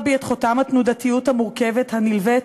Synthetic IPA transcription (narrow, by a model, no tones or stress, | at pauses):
bejet̪χotamhat̪nudat̪ijuthamuʁkeve̞thanilve